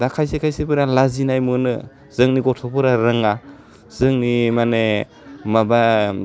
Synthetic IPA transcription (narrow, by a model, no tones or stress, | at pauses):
dakʰajsekʰajsebɯɾalazinajmɯnɯ | z̥ɯŋniɡɔtʰɔpɯɾaɾɯŋa | z̥ɯŋnimane | maba